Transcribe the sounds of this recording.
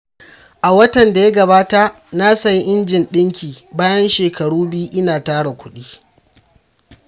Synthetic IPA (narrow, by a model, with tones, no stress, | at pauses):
ʔa˨wɐ˦tɐ˨nda˨ja˦ɡɐ˨baː˦ta˨ʔ | na˦sɐ˨jʔɪ˦nd͡ʒɪ˨nɗɪ˦ŋkʲiː˨baː˦jɐ˦nʃeː˨kɐ˨ɽuː˦bɪ˦ju˦ʔɪ˦naː˨taː˦ɽa˨kʷʊ˦ɗiː˦